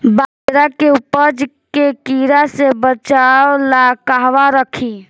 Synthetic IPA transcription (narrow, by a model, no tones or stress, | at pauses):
bad̪ɾakeupəd͡ʒkekiɾasebət͡ʃawlakaɦʋaɾəkʰi